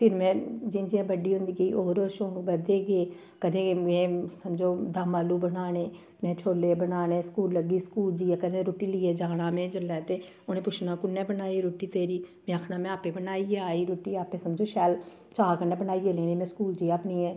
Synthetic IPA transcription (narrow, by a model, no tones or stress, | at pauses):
pʰɪɾmɛ̃ːd͡ʒɪnd͡ʒiãːbəɖiːɦʊ̃nd̪iːɡəiːʔoːɾoːɾʃõːɡbəd̪eːɡeː | kəd̪ẽːmɛ̃ːsəmd͡ʒoːd̪aːmaːluːbənaːneː | mɛ̃ːt͡ʃʰoːleːbənaːnẽːskuːlːəɡiːskuːld͡ʒiːɛːkəd̪ẽːɾoːʈiːliːeːd͡ʒaːɽãːmɛ̃ːd͡ʒəlɛːt̪eː | ʊnẽːpʊt͡ʃʰnaːkʊnːɛ̃ːbənaːiɾoːʈiːt̪eːɾiːmɛ̃ːəkʰnaːmɛ̃ːaːpeːbənaːiːɛːaːiːɾoːʈːiːaːpẽːsəmd͡ʒoːʃɛːl | t͡ʃaːkənɛ̃ːbənaːieːleːniːmɛ̃ːskuːld͡ʒiːaːpnĩːɛː